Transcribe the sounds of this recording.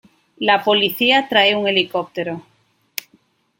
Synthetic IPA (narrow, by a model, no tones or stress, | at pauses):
lapo̞liθiat̪ɾaeuŋe̞likop̚t̪eɾo